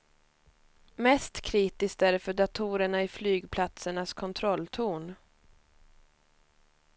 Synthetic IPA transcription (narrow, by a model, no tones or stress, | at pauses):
mɛst̪kʰɾiːt̪ɪsk̚t̪æɾfœɖat̪ʰuːɾəɳaɪflyːɡpʰlat̪səɳaskʰɔnt̪ʰɾɔlt̪ʰuːn